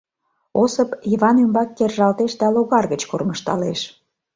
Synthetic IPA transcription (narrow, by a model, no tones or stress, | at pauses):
osəpiβɑnembɑkːerʒɑlt̪eʃd̪ɑloɣɑrɣət͡ɕkorməʃt̪ɑ̰leʃ